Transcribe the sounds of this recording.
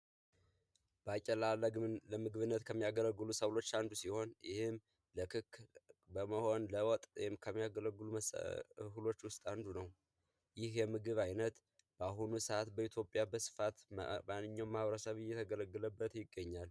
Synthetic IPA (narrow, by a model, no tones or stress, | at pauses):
b̥əat͡ʃʼːɛlaələmɨɡβɨnːət̪kʰəmːijaɡələɡːɨlusəwlo̞t͡ʃːand̪usiho̞njɪ̰hɪm | ləkʰɨkːbəməho̞nləwɔt̪ʼwjɪmkʰəmːijaɡələɡːɨlumskɨlo̞t͡ʃːwʊst̪ʼand̪unəw | jɪhjɛmɨɡɨβajnət̪ | b̥aɦunusat̪bəit̪ʰjo̞pʼjabəsɨ̥fat̪manːɨɲːawmːahβəɾəsəβɨjːɛt̪ʰəɡələɡːɨləbːət̪jɪɡːəɲːal